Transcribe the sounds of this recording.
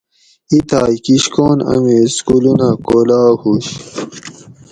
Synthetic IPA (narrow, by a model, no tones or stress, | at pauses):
it̪aːjkiɕkoːnɐ̰meskulunakoːlaːhuːɕ